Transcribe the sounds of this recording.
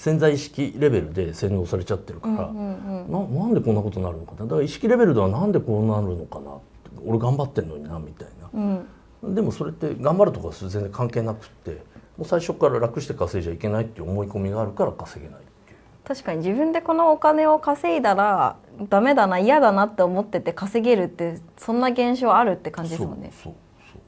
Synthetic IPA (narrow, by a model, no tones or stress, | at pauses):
sẽ̞nd͡zaiɕi̥kʲiɾe̞be̞ɾɯ̟d̪e̞sẽ̞nd̪o̞ːsaɾe̞t͡ɕat̪ːe̞ɾɯ̟kaɾã̰nãnãnd̪e̞kõ̞nːako̞t̪onːaɾɯ̟nokanad̪akaiɕi̥kʲiɾe̞be̞ɾɯd̪e̞βanãnd̪e̞ko̞ːnaɾɯ̟no̞kana̰t | o̞ɾeɡãmbat̪ːẽ̞nːo̞ɲ̟inamʲit̪ainaɯ̟̃ | d̪e̞mo̞so̞ɾe̞t̪ːe̞ɡãmbaɾɯ̟t̪okaɡszẽ̞nzẽkãŋke̞ːnakɯ̟̥t̪ːe̞̰moːsaiɕo̞kːaɾaɾakɯ̟ɕi̥t̪e̞kase̞ːʑaike̞nait̪ːeiɯomo̞iko̞mʲiɡaːɾɯ̟kaɾakase̞ɡe̞na̰it̪ːe | t̪aɕi̥kaɲ̟id͡ʑibɯ̟̃nd̪e̞ko̞no̞ːkane̞o̞kase̞id̪aɾad̪ame̞d̪anaijad̪anat̪ːe̞omo̞t̪ːe̞t̪e̞kase̞ɡe̞ɾɯ̟t̪ːe̞sõ̞nːaɡẽ̞ɰ̃ɕ̬o̞ːaɾɯ̟t̪ːe̞kãɲ̟d͡ʑid̪eosn̰d̪esoː | so̰ː